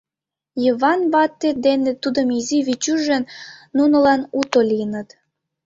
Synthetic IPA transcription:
jəβɑnβɑt̪ːed̪enet̪ud̪əmiziβit͡ɕyʒə̆nnunə̆lɑnut̪olʲijənə̆t̪

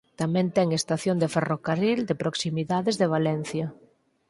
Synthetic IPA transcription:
t̪amɛ̃nt̪ɛŋest̪aθjond̪eferokarild̪epɾoksimiðaðezðeβ̞alɛn̟θjɐ

